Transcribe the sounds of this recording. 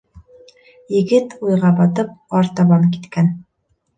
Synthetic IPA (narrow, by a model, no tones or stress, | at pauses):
jɘ̆ɡɘt̪ujʁɑbɑt̪ɤp̚ɑɾt̪ɑβɑŋkit̪kæn